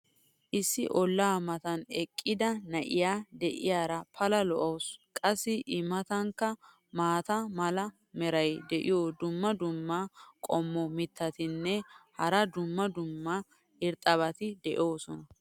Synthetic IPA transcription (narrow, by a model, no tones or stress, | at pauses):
ʔɪsːɪ̰ʔɔlːaːmɐt̪ɐnɛkʼːɪd̪ɐnɐʔɪjaːd̪ɛʔɪ̰jaːɾɐpʰɐlɐlɔʔɔwskʼɐsːɪʔɪmɐt̪ɐŋkːɐ | maːt̪ɐmɐlɐ | mɛɾɐjd̪ɛʔɪjoːd̪ʊmːɐd̪ʊmːakʼɔmːɔmɪt̪ʰːɐt̪ɪnːɛhɐɾɐd̪ʊmːɐd̪ʊmːa | ɪɾt̪ʼɐβɐt̪ɪd̪ɛʔo̞ːsɔnɐ